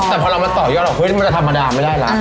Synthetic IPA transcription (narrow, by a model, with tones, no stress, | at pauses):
t̪ɛː˨˩pʰɔː˧ɾa˧wma˧nt̪ɔː˨˩jɔː˥˩t̪̚lɔ˨˩kʰw̪m˧˦t͡ɕa˧t̪ʰa˧mːʔaː˧daː˧ma˥˩jda˥˩jla̰˦˥